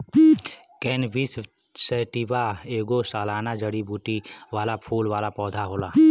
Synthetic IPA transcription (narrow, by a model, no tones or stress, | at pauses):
kɛːnʋis | seːʈibaeːɡosaːlaːnad͡ʒəɽibuːʈiʋaːlapʰuːlʋaːlapɔːd̪ʱaɦoːlaː